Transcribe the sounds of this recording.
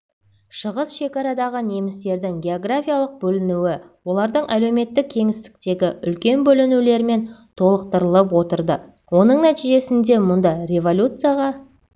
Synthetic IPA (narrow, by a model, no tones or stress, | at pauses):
ʃəʁəsʃe̞kɑɾɑd̪ɑʁəne̞mɪst̪e̞ɾd̪ɪŋɡʲe̞o̞ɡrafʲijalˠəq̚bɵlɪnuwɪwo̞lˠɑɾd̪əɴʔæle̞wme̞t̪ːɪkʲʰe̞ŋɪst̪ɪ̥k̚t̪e̞ɡʲɪʏlkʲe̞nbɵlɪnule̞ɾɪme̞nt̪ʰo̞lˠəq̚t̪əɾəlˠəp̬wo̞t̪əɾd̪ə | wo̞nəɴnæt̪ijʒe̞sɪnd̪e̞mʊnd̪ɑɾʲe̞vo̞lʲut̪sɨjaʁɑ